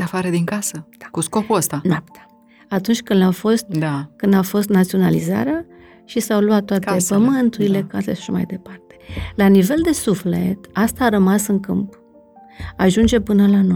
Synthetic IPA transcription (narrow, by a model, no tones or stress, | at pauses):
d̪eafaɾed̪iŋkasə̥akuskopuəst̪anap̚t̪ḁ | at̪unt͡ʃʲkɨnafo̞st̪d̪akɨnd̪afo̞st̪nat̪sio̞naliza̰ɾea | ʃisawluat̪ːoat̪epəmɨnt̪uɾile̞kaseʃḁʃama̰jd̪e̞part̪e̥lanive̞ld̪e̞sufle̞̰t̪ast̪aːɾəmasɨŋkɨmp | aʒund͡ʒe̞pɨnəlano